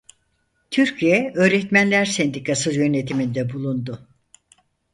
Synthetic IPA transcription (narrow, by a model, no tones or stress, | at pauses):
t̪ʰyɾcʰijɛø̞ːɾɛt̪mænlʲæɾsɛnd̪ikʰasɯzjø̞ne̞t̪ʰimind̪ɛbulˠund̪ʊ